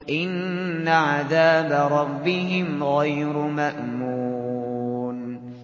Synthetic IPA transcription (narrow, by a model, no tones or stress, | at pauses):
ʔɪnː | aʕaðaːbaɾˤɑbːɪɦɪmɣajɾʊmaʔmuː | n